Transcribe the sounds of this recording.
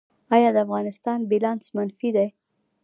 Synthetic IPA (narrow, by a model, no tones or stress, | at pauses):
ɑjɑd̪əafɣɑnɪst̪ɑnbilɑnsmanfid̪aj